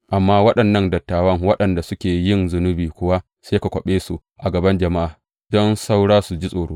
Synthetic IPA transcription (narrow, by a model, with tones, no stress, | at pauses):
ʔa˨mːaː˦wɐ˦ɗɐ˨nːɐ˦ndɐ˨tːaː˨wɐ˦ŋwɐ˦ɗɐ˨nda˨sʊ˦kʲeː˨jɪ˦˨nzʊ˨nʊ˦biː˨kʷʊ˦wa˦ | seː˦ka˨kʷɐ˨ɓeː˦su˨ | ʔa˨ɡɐ˨bɐ˦nd͡ʒɐ˨ma˦ʔaː˨ | d̥ɔ˦nsa˦wɽaː˦su˨d͡ʒi˦sʼoː˨ɽoː˦